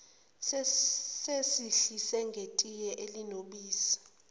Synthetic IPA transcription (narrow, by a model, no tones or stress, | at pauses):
sesiɬisɛŋɡʱetʼijɛʔelinoɓiːsḁ